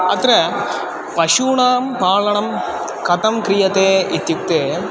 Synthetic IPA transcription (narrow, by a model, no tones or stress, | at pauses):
ɐt̪ɾɐ | pɐɕuːɳaːmpaːɭɐɳɐm | kɐt̪ɐmkɾijɐt̪eːit̪juk̚t̪eː